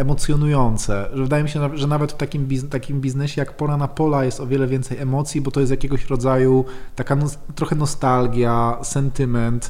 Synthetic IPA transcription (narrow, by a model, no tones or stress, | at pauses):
ɛmɔt̪sjɔnujɔnt̪sɛʐɛvɘd̪ajɛmiɕɛʐɛnavɛt̪ft̪akʲimbʲizt̪akʲimbʲiznɛɕɛjakpɔɾanapɔlajɛst̪ɔvʲjɛlɛvʲɛnt̪sɛjɛmɔt̪sʲjibɔt̪ɔjɛst̪jakʲeɡɔɕɾɔd̪zajut̪akanɔt̪ɾɔxɛnɔst̪alɡʲjasɛnt̪ɘmɛnt̪